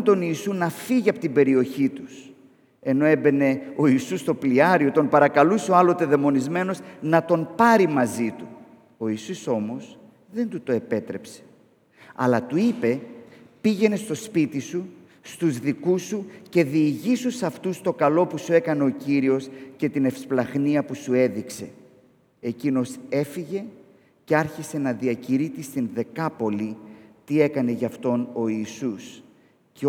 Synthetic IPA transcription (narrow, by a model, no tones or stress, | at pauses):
nt̪o̞niːsunɐfiʝiɐpot̪imbe̞ɾio̞çit̪us | e̞no̞e̞be̞ne̞o̞isust̪o̞pliɐɾio̞t̪o̞npɐɾɐkɐlusoɐlo̞t̪e̞ðe̞mo̞nizme̞no̞znɐt̪o̞npɐɾimɐzit̪u | o̞isuso̞mo̞s | ðe̞nt̪ut̪o̞e̞pe̞t̪ɾe̞pse̥ | ɐ̰lɐt̪uipe̞piʝe̞ne̞st̪o̞spit̪isu | st̪uzðikusuce̞ðiːʝisusɐft̪ust̪o̞kɐlo̞pusue̞kɐne̞o̞ciɾio̞sce̞t̪ine̞fsplɐɣniɐpusue̞ðikse̞ | ecino̞se̞fiʝe̞ | ce̞ɐɾçise̞nɐðiɐciɾit̪ist̪inðe̞kɐpo̞lit̪ie̞kɐne̞ʝɐft̪o̞no̞iːsus | ce